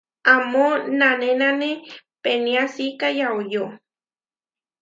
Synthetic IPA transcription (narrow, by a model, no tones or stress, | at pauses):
amonanenanepeniasikajaojo